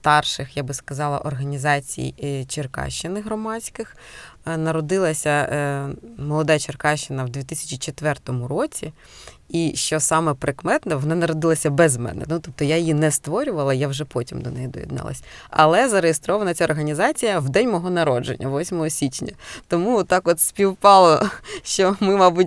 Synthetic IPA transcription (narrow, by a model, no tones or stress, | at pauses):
st̪ɑrʃɪxjabɪskɐzɑlˠɐ̰ʔɔrɦɐnʲizɑt͡sʲḭjt͡ʃerkɑ̰ʃt͡ʃɪnɪɦɾɔmɑt͡sʲkɪx | nɐɾɔd̪ɪlˠɐsʲɐ | mɔlˠɔd̪ɑjt͡ʃerkɑʃt͡ʃɪnɐwd̪ʲit̪ɪsʲɐ̥t͡ʃʲit͡ʃet̪ʋɛrt̪ɔmʊɾɔt͡sʲi | iʃt͡ʃɔsɑmɛpɾɪkmɛt̪nɛʋɔnɑnɐɾɔd̪ɪlˠɐsʲɐbɛzmɛ̰nɛ̰nut̪ɔp̚t̪ɔjajɪjinɛst̪ʋɔɾʲʊʋɐlˠɐjawʒɛpɔtʲimd̪ɔnɛjid̪ɔ̰jʲḭd̪nɑ̰lˠɐ̰sʲɐ̰lˠɛzɐɾejest̪ɾɔʋɐnɐt͡sʲaɔrɦɐnʲizɑt͡sʲijɐwd̪ɛnʲmɔɦɔnɐɾɔd͡ʒḛnʲːɐʋɔsʲmɔɦɔsʲit͡ʃnʲɐ̰t̪ɔmut̪ːɑkɔt̪sʲpʲiwpɑlˠɔʃt͡ʃɔmɪmɑbutʲ